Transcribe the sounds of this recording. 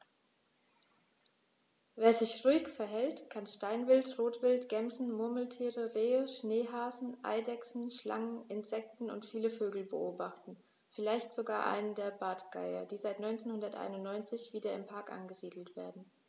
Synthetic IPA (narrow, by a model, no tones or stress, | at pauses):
veːɐzɪçʁuɪkfɛɐɦɛltkʰanʃtaɪnvɪltʁoːtv̥ɪltɡ̥ɛmzn̩mʊɐməl̩tʰiːʁəʁeːəʃneːɦaːzn̩ʔa̰ɪdɛksn̩ʃla̰ŋənɪnz̥ɛk̚tn̩ʊ̰ntfiːləføːɡl̩bə̰ʔoːbaχtn̩ | fɪlaɪçtz̥oɡaːɐʔa̰ɪnəndeːɐbaːtɡ̥a̰ɪɐ̰d̥iːzaɪtnɔʏnt͡seːnhʊndɐtʔa̰ɪnʊntnɔʏnt͡sɪçv̥iːdɐɪmpʰaɐkʔa̰nɡəziːdl̩tv̥eːɐdn̩